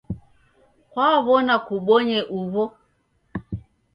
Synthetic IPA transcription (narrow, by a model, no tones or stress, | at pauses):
kwaβɔnakuɓɔɲɛʔuβɔ